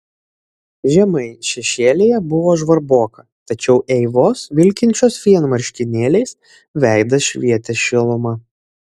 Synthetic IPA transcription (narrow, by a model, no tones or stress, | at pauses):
ʒʲɛmɐɪʃʲɛʃʲeːlʲejɛbʊʋoːʒʋɐɾboːkɐ | t̪ɐt͡ʃʲɛʊʔɛɪʋoːsʋʲɪlʲkʲɪnʲt͡ʃʲoːsfʲiɛnmɐɾʲʃʲkʲɪnʲeːlʲɛɪs | ʋʲæˑɪd̪ɐʃʲʋʲiɛt̪ʲɛʃʲɪlˠʊmɐ